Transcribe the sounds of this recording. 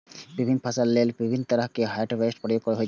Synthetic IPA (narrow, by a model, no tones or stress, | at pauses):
bibʱinːpʰasalːelbibʱinːt̪ɔɾəɦkeɦajʈbesʈpɔɾjokkɔɾaɦoj